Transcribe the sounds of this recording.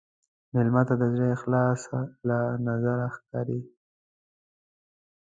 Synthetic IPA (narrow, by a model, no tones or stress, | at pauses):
mɪlmat̪ad̪əzɽexlɑsalanazaɾaxkɑɾi